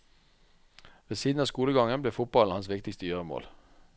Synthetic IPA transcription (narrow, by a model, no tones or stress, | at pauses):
ʋeːsiːd̪nɑːskuːləɡɑŋənbleːfʊt̪̚b̥ɑln̩hɑnsʋɪkt̪ɪkst̪əjøːʁəmo̰ːl